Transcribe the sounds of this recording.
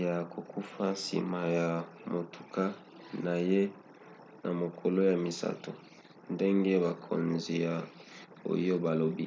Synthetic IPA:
ja˨ko˨kʰu˦fa˦sḭ˨ma˨ja˨mo˨tu̥˨ka˦ | na˨je˦ | na̰˨mo˨kʰo˨lo˦ja˨mi˨sa̰˦to˨ | nde˦ŋɡe˦βa˨kʰo̰˨nzi˨ja˨ | o̰˨jo˦ba˨lo˨bi˦

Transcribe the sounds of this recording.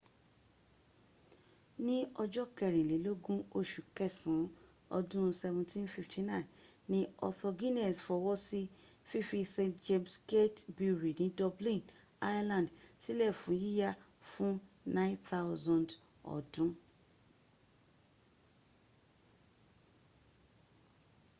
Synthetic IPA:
nĩ˦ɔ˧d͡ʒɔ˦kɛ˨ɾĩ˨le˨˦lo˦ɡũ˦o˧˨ʃu˨kɛ˦˨sĩ˨˦ | ɔ̰˧dũ˦˧sɛ˧vũ˧tʰĩ˦nfi˦ftʰi˧nã˦i˨n | nĩ˦ɔ˧tɔ˧ɡi˦nɛ˨sfɔ˧wɔ˦si˦fi˦fi˧sẽ˧d͡ʒe˧mske˦tbi˨˧ɾi˨nĩ˨˦dɔ˧blĩ˦˨n | a˦ja˦lã˨ndsi˦lɛ˦˨fũ˨˦ji˦ja˦˨ | fũ˦ | nã˦nt̪a˦wzɔ̃˨nd | ɔ̰˨dũ˨˦

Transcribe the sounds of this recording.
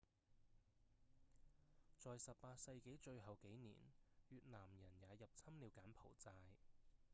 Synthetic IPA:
t͡sɔː˨jsɐ˨p̚paː˧t̚sɐ˧jke˨˥jt͡ʃɵ˧ɥɦɐ˨wke˨˥jnḭː˨˩nɥyː˨t̚nlaː˨˩mjɐ˨˩njaː˨˧jɐ˨p̚t͡sʰɐ˥mliː˨˧wkaː˨˥npʰo̰˨˩wt͡saː˧j

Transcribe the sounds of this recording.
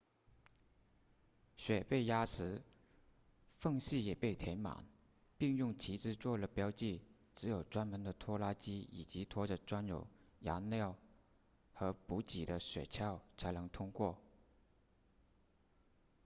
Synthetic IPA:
ɕɥɛ˨˩pe˥˩ɪja˥ʂɻ̩˧˥ | fɤ˥˧ŋɕi˥˩jɛ˨˩pe˥˩ɪt̪ʰɛ˧˥ɪma̰˨˩˦ŋ | pi˥˧ŋjʊ˥˩ŋt͡ɕʰi˧˥ʈ͡ʂɻ̩˥t͡swɔ˥˩lə˩pjɑ˥ʊt͡ɕi˥˩ | ʈ͡ʂɻ̩˧˥jo˨˩ʊʈ͡ʂwa˥nmə˧˥nd̪ə˨t̪ʰwɔ˥la˥t͡ɕi˥ḭ˨˩t͡ɕi˧˥t̪ʰwɔ˥ʈ͡ʂə˧˩ʈ͡ʂwa˥njo˨˩ʊja̰˧˥nljɑ˥˩ʊ | xɤ˧˥pu˧˥t͡ɕi˨˩d̪ə˦ɕɥɛ̰˨˩t͡ɕʰjɑ˥˩ʊt͡sʰa˧˥ɪnɤ˧˥ŋt̪ʰʊ˥ŋkwɔ˥˩

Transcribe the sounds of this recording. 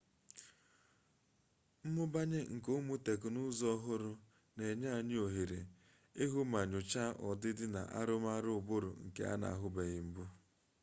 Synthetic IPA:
m̩˦mʊ˦ba˦ɲe˦ŋ̩˨ko˦mu˦te˨kʊ˨nʊ˦zɔ˦ɦʊ˦ɾʊ˦ | ne˨ɲa˦˨ɲe˦o˨ɦe˨ɾe˨ | e˦ɦu˦ma˨ɲʊ˨t͡ʃa˦ʔɔ˨dɪ˦dɪ˦na̰˨ʔa̰˦ɾʊ˦m˦a˦ɾʊ˦ʊ˨bʊ˦ɾʊ̰˨ŋ̩˨kḛ˨a̰˦na̰˨a˨ɦʊ˦be˨ɣɪ˨m̩˦bu˦

